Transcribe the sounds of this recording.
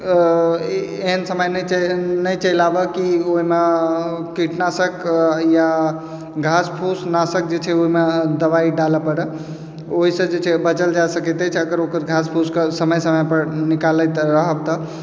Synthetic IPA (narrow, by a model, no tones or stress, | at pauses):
eɦənsəməjnnəjt͡ʃəlabəkioɦimekiʈnasəkja | ɡʱaspʰusnasək̚d͡ʒet͡ʃʰɛoɦimed̪əbaiɖaləpəɽ | oɦisə̃d͡ʒet͡ʃʰɛbət͡ʃəld͡ʒasəkɛt̪ɛt͡ʃʰəɡəɾokəɾɡʱaspʰuskesəməjsəməjpəɾnikalət̪ɾəɦəb̚t̪ɔ